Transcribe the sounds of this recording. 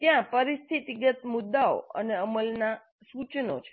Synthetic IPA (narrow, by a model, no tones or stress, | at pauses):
t̪jãpəɾist̪ʰit̪iɡət̪mud̪ːao̰ə̰neəməlna | sut͡ʃno̰t͡ʃʰe̥